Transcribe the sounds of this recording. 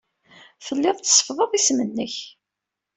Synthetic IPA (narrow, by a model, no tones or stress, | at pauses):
fəlːɪðˤt̪sˤːfðˤəðˤismənːəç